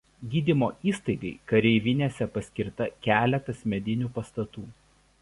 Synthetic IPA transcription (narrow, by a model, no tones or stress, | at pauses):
ɡʲiːd̪ʲɪmoːʔiːst̪ɐɪɡɐɪkɐɾʲɛɪʋʲɪnʲeːsʲɛpɐsʲkʲɪɾt̪ɐkʲæːlʲɛt̪ɐsmʲɛd̪ʲɪnʲupɐst̪ɐt̪uː